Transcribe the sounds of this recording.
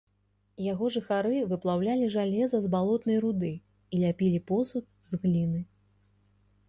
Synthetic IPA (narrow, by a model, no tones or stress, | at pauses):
jaɣɔʐɨxaɾɨvɨplˠawlʲalʲiʐalʲɛzɐzbalˠɔt̪nɐjɾud̪ɨ | ilʲapʲilʲipɔsut̪̚ | zɣlʲinɨ